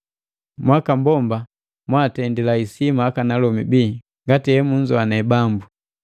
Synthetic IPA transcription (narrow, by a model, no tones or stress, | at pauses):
mwakambɔmba | mwatɛndilaisimaakanalɔmibiː | ŋɡatiɛmuɲd͡ʒɔanɛbambu